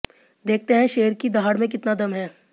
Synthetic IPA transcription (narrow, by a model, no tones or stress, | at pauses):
d̪eːk̚ʰt̪eɦɛ̃ʃeːəɾkid̪aɦaːɽmẽkɪt̪nad̪ɐmɦɛː